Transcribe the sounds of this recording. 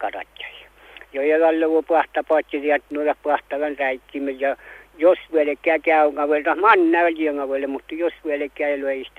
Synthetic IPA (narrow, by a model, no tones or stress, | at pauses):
kɑrɑ̰t̪ʲjɑ̥s | jojeʋɑlːeʋopɑht̪ɑpɑːˑt̪ʲjiriæt̪noilːɑhpɑht̪ɑʋɑnræik̪ːimːejɑjosʋuelekæːkæˑyŋɑʋelt̪ɑhmɑnːæːɑlʲieŋɑʋelːemut̪ːɑjosʋuelekːˑæːeloeist̪